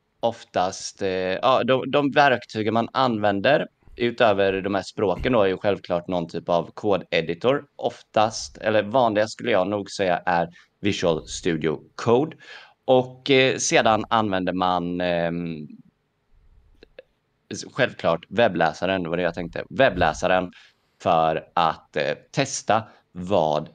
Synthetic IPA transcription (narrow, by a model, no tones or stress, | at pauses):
ɔft̪ast̪ɑːd̪ɔd̪ɔmvæɾkt̪ʰyːɡənmananːvɛnd̪əɾ | ʔʉ̟ːt̪øːvəɾɖ̪ɔmhæːʂpɾoːkənd̪ɔæɾjɵɧɛlvkʰlɑːʈnɔnt̪ʰyːpavkʰoːd̪ɛd̪ɪt̪ʰʊɾʔɔft̪ast̪ɛ̰lːəɾvɑːnlɪɡaskɵlːəjɑːnuːɡsɛjːa̰ʔæɾ | vɪʂəlst̪ʉ̟ːd̪ɪʊ̰kʰoːd̪ | ʔɔkseːd̪ananvɛnd̪əman | ɧɛlvkʰlɑːʈvɛbːlæ̰ːsaɾənd̪vad̪ɛjɑːt̪ʰɛŋkt̪ʰə̰vɛblæ̰ːsaɾən | fœɾat̪ʰːɛst̪a | vɑ̰ːd̪